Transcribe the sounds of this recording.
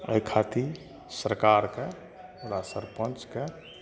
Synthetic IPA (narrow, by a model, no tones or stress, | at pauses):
əjkʰat̪i | səɾkaːɾke | ɾasəɾpə̃nt͡ʃke